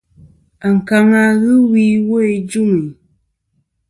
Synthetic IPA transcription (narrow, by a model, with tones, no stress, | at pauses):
a˨ŋ̩˨ka˦ŋa˦ɣɨ˦wiː˦wo˦e˦d͡ʒu˦ŋi˨